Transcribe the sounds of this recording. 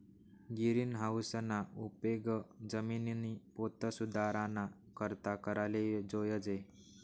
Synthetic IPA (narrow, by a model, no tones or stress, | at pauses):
ɡiɾiːnɦawsənaupeɡəd͡zəminnipot̪əsud̪ʱaɾana | kəɾt̪akəɾaled͡zojəd͡ze